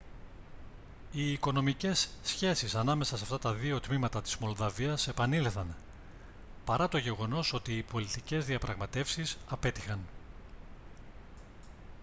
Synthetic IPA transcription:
iːko̞no̞mice̞sːçe̞sisɐnɐme̞sɐsɐft̪ɐt̪ɐðio̞t̪mimɐt̪ɐt̪i̥zmo̞lðɐviɐse̞pɐnileθɐn | pɐɾɐt̪o̞ʝe̞ɣo̞no̞sot̪iːpo̞lit̪ice̞zðiɐpɾʔɐɣmɐt̪e̞fsisɐpe̞t̪ixɐn

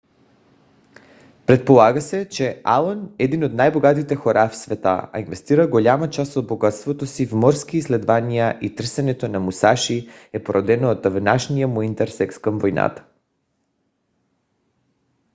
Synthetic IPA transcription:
pɾɛt̪̚polˠaɡasɛt͡ʃɛa̰lˠonɛd̪inod̪najboɡat̪it̪ɛxoɾafsvɛt̪a̰a̰invɛst̪iɾaɡoʎʲamat͡ʃasod̪̚boɡat̪st̪vot̪osivmɔɾskiːslɛd̪vanijaʔit̪r̩sɛnɛt̪onamusaʃiɛpoɾɔd̪ɛnoːd̪vnaʃnijamoint̪ɛɾsɛkskamvojna̰t̪ḁ

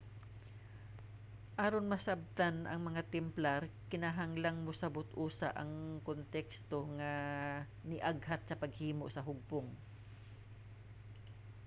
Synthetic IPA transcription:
ʔaːɾonmɐsab̚t̪anʔɐ̰ŋmɐŋat̪ɛmplaɾkɪnaɦaŋlaŋmʊsɐbʊt̪ʔuːsa̰ʔɐŋkont̪ɛkst̪oŋa | nɪʔaɡhat̪̚sɐpɐɡhiːmoʔsɐɦʊɡ̚pʊŋ

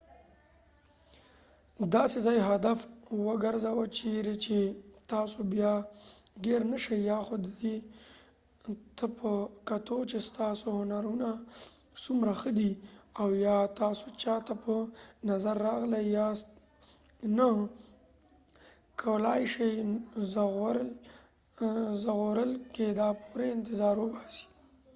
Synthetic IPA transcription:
d̪ɑsezɑjɦad̪afwəɡəɾzawət͡ʃeɾet͡ʃet̪ɑsobjɑɡeɾnəʃajjɑxod̪əd̪e | t̪əpʰəkat̪ot͡ʃest̪ɑsohʊnaɾunasumɾaxəd̪iawjɑt̪ɑso̥t͡ʃɑt̪apənazaɾːɑɣlajɑ | na | kʰawlɑjʃejz | zaɣoɾəlked̪ɑpuɾeɪnt̪ɪzɑɾwəbɑsi̥

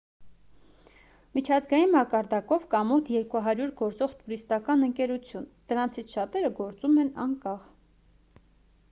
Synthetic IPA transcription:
mit͡ʃʰɑzɡɑjinmɑkɑɾd̪ɑkɔvkɑmɔt̪ʰjɛɾkuɦɑɾjuɾɡɔɾt͡sɔʁt̪uɾist̪ɑkɑnəŋkɛɾut͡sʰjund̪̥əɾɑnt͡sʰit͡sʰʃɑt̪ɛɾəɡɔɾt͡sumɛnɑŋkɑχ

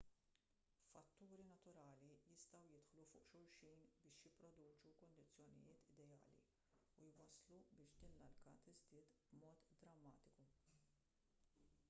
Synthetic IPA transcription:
fɐt̪ːuːɾinɐt̪ʊɾɐːlijɪst̪ɐwjɪt̪ħlufʊ̰ːʔʃʊɾʃijnbɪːʃjɪpːɾɔd̪uːt͡ʃukɔnd̪ɪt͡sːjɔnɪ̰jɪːt̪ʰɪd̪ɛjɐ̰ːlḭ | ujwɐslubɪːʃd̪ɪːnlɐlkɐt̪ɪzd̪ɪːt̪bmɔːt̪d̪ɾɐmːɐːt̪ɪku

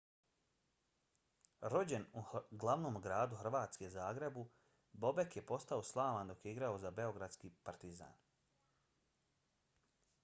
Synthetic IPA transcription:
ɾo̞d͡ʑe̞nuɡlˠaʋnoːmɡɾaːd̪uxr̩ʋaːt̪ske̞zaːɡɾe̞bu | bo̞be̞kje̞po̞st̪ao̞slˠaːʋand̪o̞kjeiɡɾao̞zabe̞o̞ɡɾad̪skiːpaɾt̪iza̰ːn

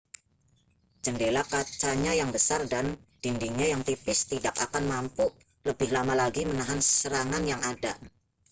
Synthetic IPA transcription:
d͡ʒəndelakat͡ʃaɲajaŋbəsardand̥indiɲajaŋt̪ipɪst̪idak̚akanmampu | ləbɪhlamalaɡimənaɦanssəɾaŋanjaŋada̰

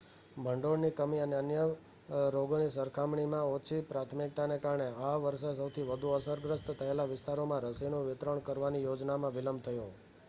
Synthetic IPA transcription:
bʱəɳɖoɽnikəmiəneənjə | ɾoɡonisəɾkʰamɳimãot͡ʃʰipɾat̪ʰmik̚t̪anekaɾɳeaʋəɾʃes̬əwt̪ʰiʋəd̪ʱuəsəɾɡɾəst̪t̪ʰəelaʋɪst̪aɾomãɾəsinoʋɪt̪ɾəɳkəɾʋanijod͡ʒnamãʋɪləmbt̪ʰəjo

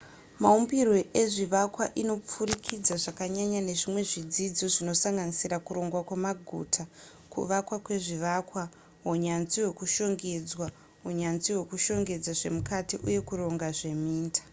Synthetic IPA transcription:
maumbirwe̞ʔeʐiʋakwaʔino̞p͡furikʰid͡zaʐakaɲaɲane̞ʐimwe̞ʐid͡zid͡zo̞ʐino̞saŋɡanisiɾakuɾo̞ŋɡwakwamaɡʱṵtʰa | kṵʋakwakwe̞ʐiʋakwa | woɲanziwe̞kuʃo̞ŋɡe̞d͡zwa | woɲanziwe̞kuʃo̞ŋɡe̞d͡zaʐe̞mukatiʔuje̞kuro̞ŋɡaʐe̞miːntḁ

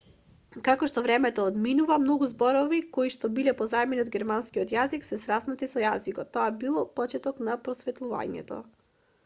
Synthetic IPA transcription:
kakɔʃt̪ɔvɾɛmɛt̪ɔːd̪minuvamnɔɡuzbɔɾɔvikoiʃt̪ɔbilɛpɔzaɛmɛniod̪ɡʲɛɾmanskiɔt̪jaziksɛsɾasnat̪isɔjazikɔt̪ːɔabilˠɔpɔt͡ʃɛt̪ɔknapɾɔsvɛt̪lˠuva̰ɲɛ̰t̪ɔ̰

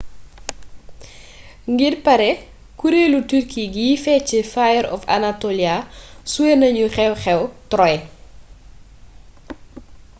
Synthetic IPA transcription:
ŋɡirpɐɾɛ | kuɾelutirkʰiɡifɛt͡ʃifajɛɾɔ̰fa̰natoliasuenɐɲuxɛwxɛwtɾɔj

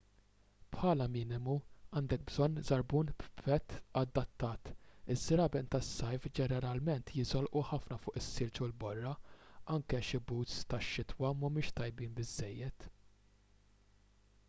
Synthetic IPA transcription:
pħɐːlɐmɪːnɪmuɐːnd̪ɛk̚bzɔnːzɐɾbuːnbpɛt̪ːɐd̪ːɐt̪ːɐːt̪ɪzːɪɾɐbɛnt̪ɐsːɐjfd͡ʒɛnɛɾɐlmɛnt̪jɪzɔlʔuħɐfnɐfʊːʔɪsːɪːlt͡ʃulbɔrːɐɐŋkɛʃɪbuːt̪st̪ɐʃːɪt̪wɐmɐmʊːʃt̪ɐjbiːnbɪzːɛjːɛt̪

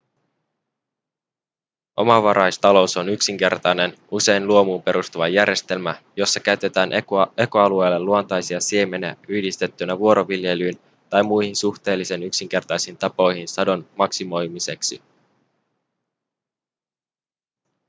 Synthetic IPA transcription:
ʔo̞̰mɑʋɑɾʔɑjst̪ɑlo̞uso̞nyksiŋke̞rt̪ɑjne̞nuse̞jnluo̞muːmpe̞ɾust̪uʋɑjæɾje̞st̪e̞lmæjo̞sːɑkæyt̪e̞t̪æːnʔe̞ko̞ɑlue̞ːlːeluo̞nt̪ɑjsiɑsiemenæ̰ʔyhdist̪e̞t̪ːynæʋuo̞ɾo̞ʋilje̞lyːn | t̪ɑjmːujhinsuxt̪e̞ːlːisenyksiŋk̟e̞rt̪ɑjsiːnt̪ɑpo̞jhinsɑdo̞nmɑksimo̞jmise̞ksi

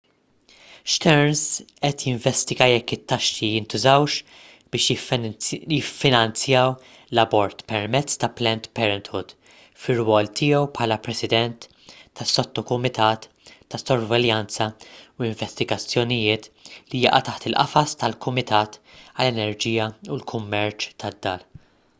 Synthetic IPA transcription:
ʃt̪ɛɾnzʔɛt̪jɪɱvɛst̪ɪɡɐjɛkːɪt̪ːɐʃːijɪnt̪ʊzɐwʃ | b̥ɪːʃ | jɪfːɪnɐnt͡sjɐːw | lɐbɔɾt̪pɛɾmɛt͡sːt̪ɐplɛnt̪pɛɾɛnt̪hʊd̪ | fɪrwɔːlt̪ɪːjɛwpħɐːlɐpɾɛsɪd̪ɛnt̪ː | ɐsːɔt̪ːɔkʊmɪt̪ɐːt̪ː | ɐsːɔɾvɛljɐnt͡sɐuɪɱvɛst̪ɪɡɐt͡sːjɔnɪjɪːt̪lijɐ̰ʔɐ̰t̪ɐħt̪ɪlʔɐ̰fɐst̪ɐlkʰʊmɪt̪ʰɐːt̪ɐlːɛnɛɾd͡ʒiːjɐulkʰʊmːɛɾt͡ʃt̪ʰɐd̪ːɐ̰ːl

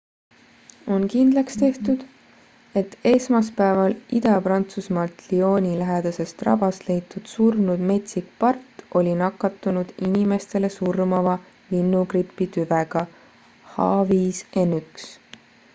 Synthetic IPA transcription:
o̞nkind̪̥lɑkst̪e̞ht̪ud̪̥ | e̞t̪ːe̞smɑspæevɑlid̪ɑpɾɑnt̪susmɑlt̪lio̞ːnʲilæɦed̪̥ɑse̞st̪rɑ̰bɑst̪le̞jt̪ːˑud̪̥surmnud̪̥me̞t̪sik̚pɑrt̪ːo̞lʲinɑkːˑɑt̪ːˑunud̪̥inime̞st̪e̞le̞surmɑvɑ | linːukripːit̪yveɡ̥ɑ | hɑːviːse̞nyks

